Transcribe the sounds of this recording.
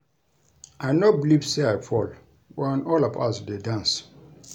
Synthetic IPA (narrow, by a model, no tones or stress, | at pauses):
aɪnobilivseajfɔl | wɛ̃nɔlɔvasdedãns